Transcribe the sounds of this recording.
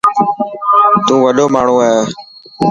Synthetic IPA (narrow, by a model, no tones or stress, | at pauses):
t̪ũːʋəɗoːmaːɳ̤õːaːjoː